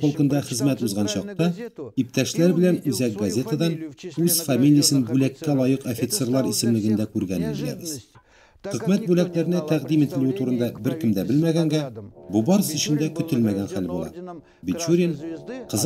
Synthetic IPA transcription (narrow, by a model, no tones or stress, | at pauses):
ŏlˠkɤ̆nd̪ɑχɘ̆zmæt̪ʉzʁɑnɕɒq̚t̪ɑip̚t̪æʃlæɾbɘ̆lænʉzæk̚ɡɐzʲe̞t̪ad̪ɑnʉz̥famʲilʲijəsɘnbʉlækːælˠɒjɤqofʲit̪se̞rlˠɑɾisɘ̆mlɘ̆ɡɘ̆nd̪ækʉɾɡænɘnʒij̪æ̰bɘz | χɵ̆kmæt̪̚bʉlæklæɾɘ̆næt̪æʁd̪imit̪ɘ̆lɘɘt̪uɾɤ̆nd̪ɑbɘɾkɘ̆md̪æbɘlmæɡæŋɡæbubɒɾɤsɵ̆ɕɘ̆nd̪ækɵ̆t̪ɘlmæɡænχælbulˠɑ̰ | bʲit͡ɕuɾʲinqɤ̆z